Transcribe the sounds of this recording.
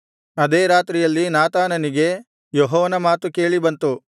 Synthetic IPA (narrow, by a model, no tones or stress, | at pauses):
ɐd̪eːɾaːt̪ɾijɐlːinaːt̪aːnɐniɡe̞ | joɦɔːʋɐnɐmaːt̪uke̞ːɭibɐnt̪u